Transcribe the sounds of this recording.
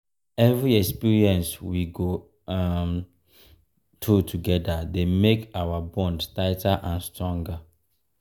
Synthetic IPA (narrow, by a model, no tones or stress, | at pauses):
ɛvɹiɛkspiɹiɛ̃nswiɡo | am | tʰutʰuɡɛdademekawabɔ̃ndstaɪtaʔãnstɹɔ̃ŋɡa